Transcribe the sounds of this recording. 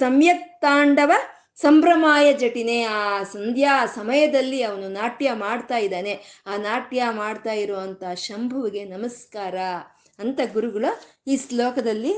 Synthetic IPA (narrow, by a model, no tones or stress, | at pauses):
sɐmjɐk̚t̪aːɳɖɐʋɐ | sɐmpɾɐmaːjɐd͡ʒɐʈine̞aːsɐnd̪ʱjaːsɐmɐjɐd̪ɐlːiɐʋɐnunaːʈjɐmaːɽt̪aːjid̪aːne̞aːnaːʈjamaːɖt̪aːjiɾɔːʋɐnt̪ɐʃɐmbʱɐʋiɡe̞nɐmɐskaːɾɐ | ɐnt̪ɐɡuɾuɡɐɭɐ | iːslɔːkɐd̪ɐlːi